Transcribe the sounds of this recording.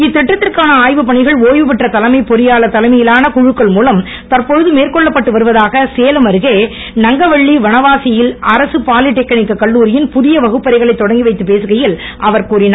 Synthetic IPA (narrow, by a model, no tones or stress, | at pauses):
ɪt̪ːɛʈːɐt̪ːɪrkaːnɐaːjʋɯpɐɳɪɣɐɭoːjʋɯp̬ɪʈrɐt̪ɐlɐmɐɪpɔɾɪjaːɭɐt̪ːɐlɐmɐjɪlaːnɐkʊɻɯkːɐɭmuːlɐm | t̪ɐrpɔɻɯðɯmeːrkɔɭːɐpːɐʈːɯʋɐɾɯʋɐðaːɣɐseːlɐmɐɾɯɣeː | nɐŋɡɐʋɐɭːiʋɐɳɐʋaːsɪjɪlɐɾɐsɯpaːlɪʈːɪkːɐɳɪkːɐkːɐɭːuːɾɪjɪnpʊðɪjɐʋɐɣɯpːɐɾɐɪɣɐɭɐɪt̪ːɔɽɐŋɡiɪʋɐɪt̪ːɯpeːsɯɣɐjɪlʔɐʋɐɾkuːɾɪnaː